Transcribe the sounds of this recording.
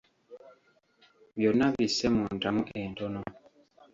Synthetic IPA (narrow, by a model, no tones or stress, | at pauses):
βjonaβisɛmuntamuʔentɔnɔ